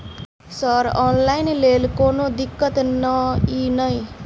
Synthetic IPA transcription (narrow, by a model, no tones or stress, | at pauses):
sʌɾɔnlajnlelkonod̪ikːʌt̪nʌinʌj